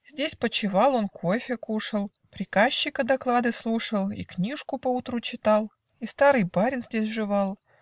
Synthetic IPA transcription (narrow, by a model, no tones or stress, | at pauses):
zʲdʲesʲpət͡ɕɪvɑlˠo̞nkʰofʲəkuʂəlˠ | pɾʲɪkaɕːɪkəd̪ɐklˠad̪ɨslˠuʂəlˠḭknʲiʂkʊpəut̪ɾut͡ɕɪt̪ɑlˠ | ist̪aɾɨjbaɾʲɪnzʲdʲesʲʐɨvɑlˠ